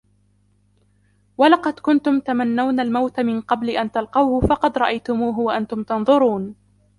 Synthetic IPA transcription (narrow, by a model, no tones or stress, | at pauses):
walɑqɑd̪kʊnt̪ʊmt̪amanːawnalmawt̪amɪnqɑblɪʔant̪alqɑwhʊfɑqɑd̪ɾˤɑʔajt̪ʊmuːɦʊwaʔant̪ʊmt̪ɑnðˤʊɾuːn